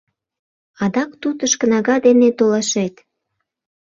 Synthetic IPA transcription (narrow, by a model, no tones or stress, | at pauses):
ɑd̪ɑkt̪ut̪əʃkə̆nɑɣɑd̪enet̪olɑʃet̪